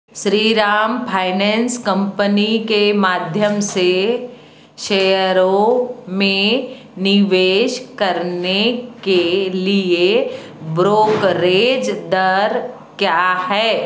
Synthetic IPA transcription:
ʃɾiːɾaːmpʰaːɪnɛ̃ːnskə̃mpənikemaːd̪ʱjəmse | ʃejəɾõmẽ | nɪʋeːʃkɐɾnekelie | bɾoːkɾeːd͡ʒd̪əɾ | kjaːhɛː

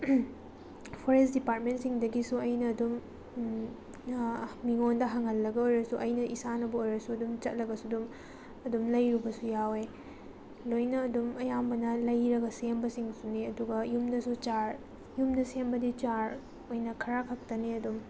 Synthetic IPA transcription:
pʰoɾesdipaɾt̚mentsiŋdɐɡisuɐjnɐːdum | miŋondɐɦaŋɦɐlːɐɡɐojɾɐsuʔɐjnɐʔisanɐbɐojɾɐsuɐdumt͡ʃɐt̚lɐɡɐsudum | ɐdumlɐjɾubɐsujawe | lojnɐːdumɐjambɐnɐlɐjɾɐɡɐsembɐsiŋsuniɐduɡɐjumdɐsut͡ʃaɾ | jumdɐsembɐdit͡ʃaɾ | ojnɐkʰɐɾakʰɐk̚tɐniɐdum

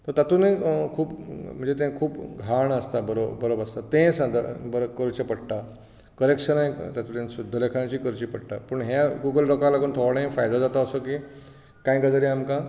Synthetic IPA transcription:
t̪əɾt̪at̪unẽkʰuːpm̤əɳd͡zet̪̬ẽkʰuːpɡʱaɳəst̪abəɾobəɾobast̪at̪ẽsãd̪̰bəɾkəɾt͡ɕepəɽʈa | kəɾekʂənat̪at̪unẽnsud̪ʱːəlekʰãt͡ɕiːkəɾt͡ɕipəɽʈapəɳɦaɡuɡəlɾɔkalakoɳt̪ʰoʋɽẽfajd̪ad͡zat̪aəsoki | kãj̃ɡəd͡zəɾiamka

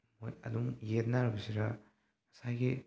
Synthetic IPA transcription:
mojɐ̰duŋjet̚naɾɐbɐsiɾa | ɐsajɡi

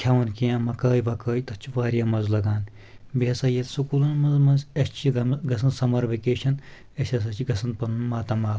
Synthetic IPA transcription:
kʲʰɐwɐnkiãmɐkɐːjʋɐkɐːjt̪ɐt͡ʃʰiʋaːɾijaːmɐzlɐɡaːn | beɐsɐjɐlsukuːlɐnmɐzmɐnzɐst͡ʃʰiɡɐmɡɐsɐnsɐmɐɾʋekeːʃɐn | ɐsʲɐs̬ɐt͡ʃʰiɡɐsɐnpɐnunmaːt̪ɐmaːl

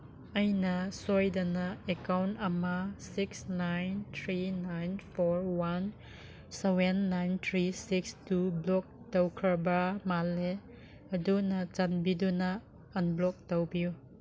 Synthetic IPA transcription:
ʔɐjnasɔjdɐnaɛkawnɐmasiksnajnt̪ʰɾinajnfɔɹwan | sɛwɛnːajnt̪ʰɾisikstublɔk̚tawkʰɾabamalɛ | ɐdunat͡ʃanbiduna | ɐnblɔk̚tawbiw

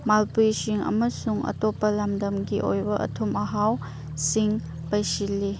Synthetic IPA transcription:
malpujsiŋɐ̰mɐsuŋɐ̰topːɐlamdɐmɡiʔo̰jbɐʔɐ̰tʰumɐɦaw | siŋ | pɐjsilːi

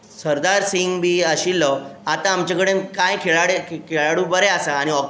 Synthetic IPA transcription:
səɾd̪aɾsiŋbiːəɕilːəat̪aːmt͡ɕakəɽekajkʰeɭaɽekʰeɭaɽuːbəɾeasaːɽ̃iɔ

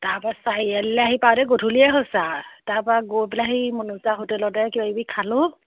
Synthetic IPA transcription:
taɹpasajalɛaɦipawdɛɡotʰuliɛɦɔsataɹpɔaɡobilaɦimunuzaɦotɛlɔtɛkibaibikʰalʊ

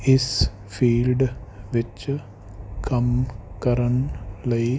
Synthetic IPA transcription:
is | fiːlɖʋɪt͡ʃ | kɐmkɐɾɐnlɐi

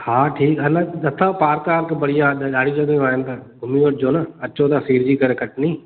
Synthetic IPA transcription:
haːʈʰiːkɐnəɗɐt̪ʰəpaːɾkaːɾkbɐɽijaɗɗaːɽ̤id͡ʑɐɡjõaːɦɪnɪ̆t̪ɐɡʱʊmiʋɐʈ̚d͡ʑoːnɐɐt͡ɕot̪ɐsiːɾd͡ʑiːkɐɾekɐʈʰniː

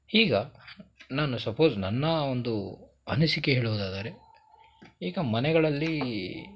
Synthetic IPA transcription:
iːɡɐ | naːnusɐpʰo̞ːznɐnːɐond̪u | ɐnisikeɦeːɭuʋud̪aːd̪aːɾe̞ | iːɡɐmɐnɛɡɐɭɐlːi

